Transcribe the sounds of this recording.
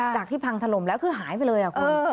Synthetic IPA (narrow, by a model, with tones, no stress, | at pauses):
t͡ɕaː˨˩k̪̚ʰiː˥˩pʰa˧ŋt̪ʰa˧lo˨˩mlɛː˦˥wkʰɯː˧˩ɦaː˩˦jp̬a˧jlɤː˧jʔaː˨˩kʔɤː˧